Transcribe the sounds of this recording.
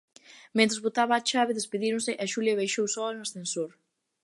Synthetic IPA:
ment̪ɾezβot̪aβɐːt͡ʃaβɪðespeðiɾʊ̃nsɪʔɛʃuljɐβejʃowsɔɐnʊasθensoɾ

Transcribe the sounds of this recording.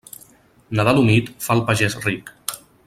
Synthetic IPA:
naðalunit̪falˠpaʒɛsrik

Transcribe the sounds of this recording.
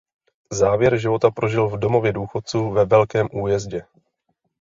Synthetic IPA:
zaːvjɛɾʒɪvo̞t̪apɾʔo̞ʒɪlvdo̞mo̞vjɛduːxo̞t̪̚t͡suːvɛvɛlkɛːmʔuːjɛzɟɛ

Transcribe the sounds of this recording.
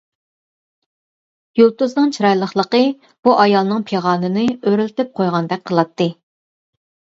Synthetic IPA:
jolˠt̪uznɨŋt͡ʃʰiɾɑjlˠəχlˠəqə | b̥uʔɑjɑlˠnɨŋpʰeʁɑːnɨnɨøɾylt̪ɪp̚qʰojʁɑnd̪ɛk̚ʲqʰəlˠɑt̪ʰːɨ

